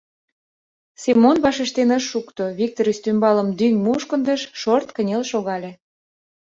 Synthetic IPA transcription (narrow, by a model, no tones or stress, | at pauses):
semːonβɑʃeʃt̪enəʃːukt̪oβʲik̚t̪oɾist̪ymbɑləmd̪yŋmuʃkənd̪əʃʃort̪kənʲelʃoɣɑlʲe